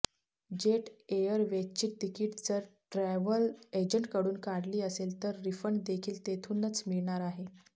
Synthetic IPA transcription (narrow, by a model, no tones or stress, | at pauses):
d͡ʑeʈejəɾʋet͡ɕiːt̪̚t̪ikiːʈd͡zəɾʈɾɛʋəled͡ʑəɳʈkəɽuːnkaɽliːəselt̪əɾːifəɳd̪ekʰiːlt̪et̪ʰunət͡smiɭɳ̃aɾaɦe